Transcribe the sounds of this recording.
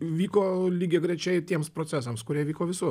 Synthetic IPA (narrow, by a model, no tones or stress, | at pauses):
ʋʲiːkoːlʲiːɡʲeɡɾʲɛt͡ʃʲɛɪt̪ʲiɛmspɾoːt͡s̪ʲæsɐmskʊɾʲiɛʋʲiːkoːʋʲɪsuː